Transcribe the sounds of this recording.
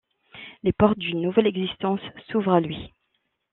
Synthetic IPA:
lepɔʁt̪̚d̪ynːuvɛlɛɡzist̪ɑ̃sːuvʁalɥi

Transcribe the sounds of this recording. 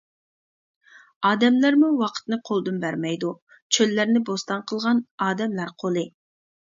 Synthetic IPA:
ɑːd̪ɛmlæɾmuwɑqʰə̥t̪nɨqʰolˠd̪ɨnbæɾmɛjd̪u | t͡ʃʰølːæɾnɪbost̪ɑnqʰəlˠʁɑnɑːd̪ɛmlæɾqʰolˠɨ

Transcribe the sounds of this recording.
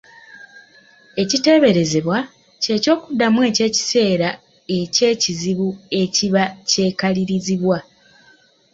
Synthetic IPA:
e̞cite̞βe̞ɾe̞ze̞βwa | ce̞ːco̞ːkudːamwe̞ːce̞ːci̥se̞ːɾa | e̞ce̞ːciziβue̞ciβace̞ːkaliɾiziβwa

